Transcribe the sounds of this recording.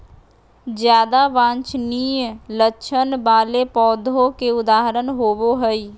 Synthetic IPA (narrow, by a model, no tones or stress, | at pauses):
d͡ʒjaːd̪aʋãnt͡ʃnijlətːt͡ʃʰənbalepɔːd̪ʱokeud̪aːɦɾənɦoboɦəj